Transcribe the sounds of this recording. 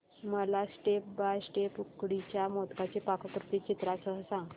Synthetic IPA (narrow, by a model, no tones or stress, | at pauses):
məlasʈep̚bajsʈepukɽit͡ɕjamot̪kat͡ɕepakʰəkɾut̪it͡ɕit̪ɾasəɦəsãŋɡ